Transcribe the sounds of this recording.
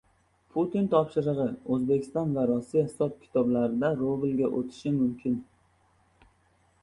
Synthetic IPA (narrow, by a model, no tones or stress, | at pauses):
pʰut̪ɪnt̪ʰɒpʃɪɾɨʁɨɵzbe̞kʲʰɪ̥st̪ɒnvaɾusːijahɪsɒp̚kʲʰɪ̥t̪ʰɒblaɾɪd̪aɾovɪlɡʲaʔot̪ʰɪ̥ʃɪmʊmkʲʰɪn